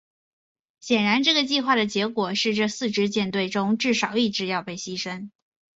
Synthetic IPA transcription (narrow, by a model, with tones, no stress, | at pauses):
ɕjɛ˨˩nɻa˧˥nʈ͡ʂɤ˥˩ɡə˩t͡ɕi˥˧xwa˥˩d̪ə˩t͡ɕjɛ˧˥kwɔ˨˩ʂɻ̩˥˧ʈ͡ʂɤ˥˧sɹ̩˥˧ʈ͡ʂɻ̩˥t͡ɕjɛ˥˧nt̪we˥˩ɪʈ͡ʂʊ˥ŋʈ͡ʂɻ̩˥˩ʂɑ˨˩˦ʊi˥˩ʈ͡ʂɻ̩˥˧jɑ˥˧ʊpe˥˩ɪɕi˥ʂə˥n